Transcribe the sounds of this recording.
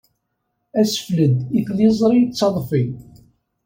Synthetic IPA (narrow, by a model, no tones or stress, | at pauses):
æsə̥fləd̪iθlizˤɾˤit͡sːɑðˤfi